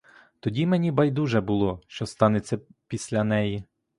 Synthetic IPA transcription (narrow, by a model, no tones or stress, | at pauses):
t̪ɔdʲimenʲibɐjd̪uʒɛbʊlˠɔʃt͡ʃɔst̪ɑnet͡sʲːɐpʲisʲlʲɐnɛji